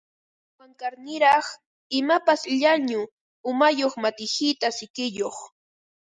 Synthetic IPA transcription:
waŋkaɾnɪɾɑχ | ɪmapasʎaɲʊ | ʊmajoχmat̪ɪhɪt̪asɪkɪjoχ

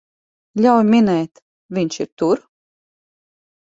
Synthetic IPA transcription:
lʲawjmʲinɛjt̪ | viɲt͡ʃiɾt̪uɾ

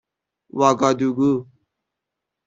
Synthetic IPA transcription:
waːɡad̪uɡu

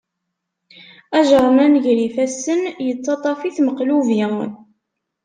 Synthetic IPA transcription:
æʒɾˤmænʝlifæsənjət͡sːɑt̪ˤɑfiθməqluvi

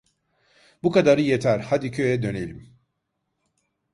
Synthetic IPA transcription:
bukad̪aɾɯjet̪ʰæɾhad̪icʰø̞jɛd̪ø̞nelʲim

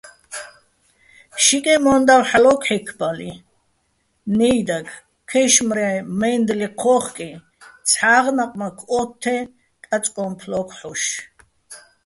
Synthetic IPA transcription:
ʃikʼɛmɔnd̪awħalɔkʰħɛkʰbali | nɛjd̪akʰ | kʰɛʃmɾajmɛnd̪liqʰɔːχkʼi | t͡sʰħaːʁnaqʼmakʰɔt̪ʰːɛ | kʼat͡sʼkʼɔmpʰlɔkʰħuʃ

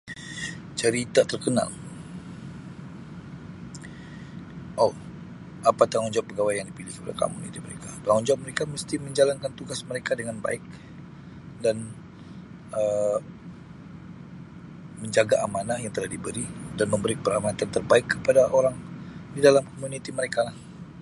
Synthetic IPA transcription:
t͡ʃəɾit̪at̪ərkəna̰l | ʔo | ʔapat̪aŋɔɲd͡ʒaɔʔ̚pəɡawajjaŋdipilihkəpada̰ka̰mṵnḭt̪iməɾekat̪aŋɔɲd͡ʒaʔ̚məɾekaməst̪iməɲd͡ʒalankant̪uɡasməɾekadəŋanba̰ɪk̚ | dan | ə | məɲd͡ʒaɡaʔamanajaŋt̪əlahdibəɾidanməmbəɾipəɾamanat̪ant̪ərbaɪkːəpadaʔoɾaŋdidalamkomunit̪iməɾekalah

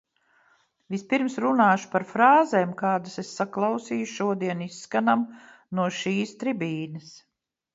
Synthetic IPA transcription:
vispiɾmsɾunaːʃu̥paɾfɾaːzemkaːd̪asesːaklˠɑwsiːjuʃuɔd̪iɛnisːkanam | nuɔʃiːst̪ɾibiːnɐs

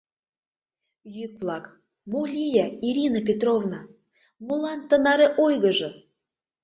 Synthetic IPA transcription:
jykvlˠɑk | molʲijɑiɾʲinəp̬ʲet̪rovnɑ | molɑnt̪ə̆nɑɾeʔojɣə̆ʒɤ̆

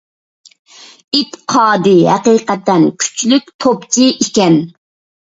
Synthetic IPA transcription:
it̪qʰɑːd̪ɨɦæqiːqɛt̪ːɛnkʲʰy̥t͡ʃlyk̚ʲt̪ʰopt͡ʃʰiʔikʲɛn

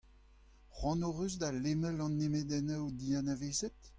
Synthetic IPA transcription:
ʁwɑ̃noʁyzdalemɛlɑ̃nːemedɛnawd̪ianaveːzɛt̪

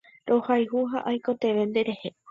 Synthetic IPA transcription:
ɾo̞hajɦuɦaʔajko̞t̪e̞ʋe̞nd̪eɾe̞he̞

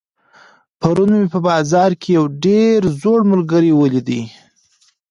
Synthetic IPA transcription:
paɾunmepəbɑzɑɾkʰejawɖeɾzoɽmʊlɡaɾiwəlid̪i

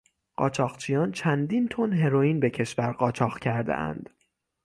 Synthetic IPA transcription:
ɢ̥ɒ̰ːt͡ʃʰɒːɣt͡ʃʰijɒːnt͡ʃʰænd̪int̪ʰonɦe̞ɾojiːnbe̞cʰe̞ʃvæɾɢɒːt͡ʃʰɒːɣcʰæɾd̪ḛʔæ̰nd̪̥

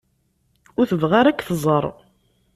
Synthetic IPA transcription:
ʊɾθəvʁaɾækːθəzˤəɾˤ

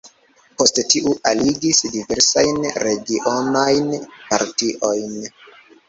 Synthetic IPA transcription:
po̞sttiʔuʔaliɡisdive̞ɾsajnɾe̞ɡiʔonajnpa̰ɾtiʔo̞jn

